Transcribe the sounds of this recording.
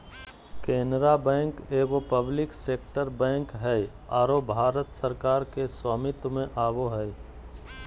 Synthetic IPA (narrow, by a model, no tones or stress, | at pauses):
kẽːnɾabɛ̃ːŋkeːʋopəblɪkseːkʈəɾbɛ̃ːŋkɦɛj | aːɾobʱaːɾət̪səɾkaːɾkeswaːmit̪ʊmẽʔaːʋoɦɛj